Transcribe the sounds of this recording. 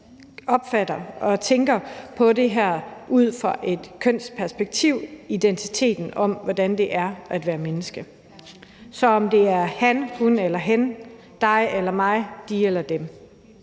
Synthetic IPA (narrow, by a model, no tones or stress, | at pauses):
ɒ̽b̥fædɐɒ̽t͡sʰeŋɡ̥ɐpʰɒ̽de̝ɦæɐ̰ʔuð̰ˠfʁɑʔe̝d̥kʰøn̰spʰæɐsb̥eɡ̥̚t͡sʰiʊ̰id̥ent͡sʰit͡sʰe̝̰ːd̥n̩ɒ̽mʋɒd̥ænd̥e̝ʔæɐʔæd̥ʋæːɐmenəsɡ̥ə | sɒ̽ɒ̽md̥e̝æɐhænhunelɐɦæn | d̥ɑ̈ɪelɐmɑ̈ɪd̥ielɐd̥em